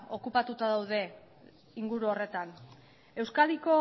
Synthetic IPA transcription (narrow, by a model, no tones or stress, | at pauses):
o̞kupat̪ut̪aðawð̞e̞ | iŋɡuɾuore̞t̪an | e̞wskaliko̞